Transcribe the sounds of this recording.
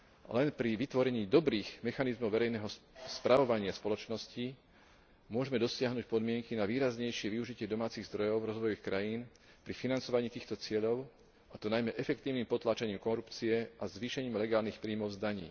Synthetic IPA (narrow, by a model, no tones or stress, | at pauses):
lɛnpɾiʋit̪ʋɔɾɛɲiːd̪ɔbɾiːɣmɛxanizmɔʊʋɛɾɛjnɛɦɔspɾʔaʋɔʋaɲɪaspɔlɔt͡ʃnɔsci | mʊɔʒɛmɛd̪ɔsɪaɦnuc̚pɔd̪mɪɛŋkinaʋiːɾazɲɛjʃɪɛʋiuʒicɪɛd̪ɔmaːt͡siɣzd̪ɾɔjɔʊvɾɔzʋɔjɔʋiːxkɾajiːn | pɾifinant͡sɔʋaɲiːt̪iːxt̪ɔt͡sɪɛʎɔʊ | at̪ɔnajmɛʔɛfɛk̚t̪iːʊnimpɔt̪laːt͡ʃaɲiːmkɔɾupt͡siɛʔazʋiːʃɛɲiːmlɛɡaːlnixpɾiːmɔʊzd̪aɲḭː